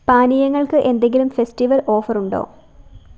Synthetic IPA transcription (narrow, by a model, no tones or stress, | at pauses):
paːnijɐŋːɐɭkɨʔe̞nd̪e̞ŋɡilumfe̞stiʋɐlʔo̞ːfɐruɳɖo̰ː